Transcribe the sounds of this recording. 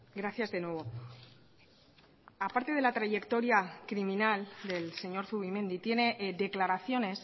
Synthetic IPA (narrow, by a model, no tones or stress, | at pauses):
ɡɾaθjazðe̞nwe̞β̞o̞ | apaɾt̪e̞ð̞e̞lat̪ɾaʝe̞kt̪o̞ɾjakɾimĩnald̪e̞lse̞ɲo̞ɾθuβimẽ̞nd̪it̪jene̞ðe̞klaɾaθjo̞ne̞s